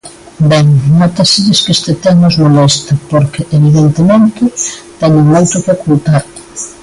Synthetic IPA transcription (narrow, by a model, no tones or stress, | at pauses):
bɛŋnot̪ɐsiɾeskest̪et̪enozmolɛst̪ɐpoɾkeʔeβiðent̪emẽnt̪ɪt̪ɛɲɪŋmojt̪ʊkokult̪aɾ